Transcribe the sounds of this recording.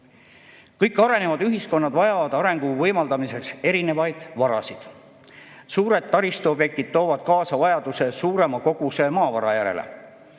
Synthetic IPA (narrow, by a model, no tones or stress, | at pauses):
kɤjkːˑɑɾe̞ne̞vɑd̪yɦisko̞nːɑd̪vɑjɑvɑd̪̥ɑɾe̞ŋɡ̥uvɤjmɑld̪ɑmise̞kse̞ɾine̞vɑjd̪̥vɑɾɑ̰sid̪̥ | suːɾe̞d̪̥̚t̪ːɑɾist̪uobje̞k̚t̪id̪̥̚t̪o̞ːvɑd̪̥̚kɑːsɑvɑjɑd̪̥use̞suːɾe̞mɑko̞ɡ̥use̞mɑːvɑɾɑjæɾe̞̰lḛ